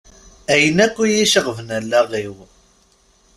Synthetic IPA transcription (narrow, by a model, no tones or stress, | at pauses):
æjənækʷːijiʃəʁvənælːæʁiw